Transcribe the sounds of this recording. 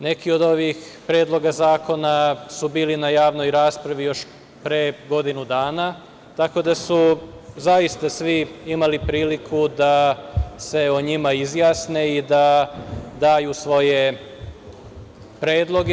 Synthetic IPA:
ne̞kio̞d̪o̞ʋixpɾeːd̪lˠo̞ɡazaːko̞nasubiːlinajaːʋno̞jɾaːspɾaʋijo̞ʃ | pɾeɡo̞d̪inud̪aːna | t̪ako̞d̪asu | zajist̪asʋiimalipɾiːlikʰud̪ase̞oɲimaizjaːsneid̪a | d̪aːjusʋo̞je̞ | pɾe̞ːd̪lˠo̞ɡe

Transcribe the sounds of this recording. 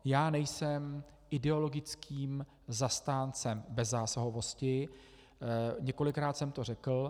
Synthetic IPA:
jaːnɛjsɛm | ʔɪdɛo̞lo̞ɡɪt͡skʰiːm | zast̪aːnt͡sɛmbɛzaːsoɦovo̞scɪ | ɲɛko̞lɪkɾaːt̪sɛmt̪o̞r̝ɛkl̩

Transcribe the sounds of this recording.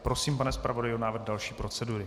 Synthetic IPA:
pɾo̞siːmpanɛspɾavodajɪonaːvrɣdalʃiːpɾo̞t͡sɛduɾɪ

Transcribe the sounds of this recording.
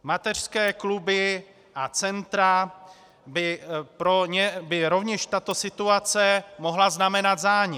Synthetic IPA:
mat̪ɛr̥skɛːklubɪ | ʔat͡sɛnt̪ɾa | bɪpɾo̞ɲɛbɪɾo̞vɲɛʃt̪at̪o̞sɪt̪uat͡sɛmo̞ɦlaznamɛnat̪zaːɲɛ

